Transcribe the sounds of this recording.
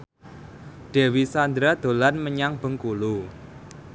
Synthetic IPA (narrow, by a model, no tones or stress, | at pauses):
ɖ̥e̤wisand̪ɾad̪̥o̤lanməɲaŋb̥ə̤ŋkulu